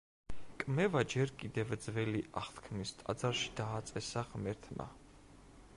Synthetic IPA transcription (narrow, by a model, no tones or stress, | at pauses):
kʼmɛvad͡ʒɛɾkʼid̪ɛvd̪zvɛliʔaχt̪ʰkʰmist̪ʼa̰d̪zaɾʃi̥d̪aːt̪sʼɛsaχmɛɾt̪ʰma̰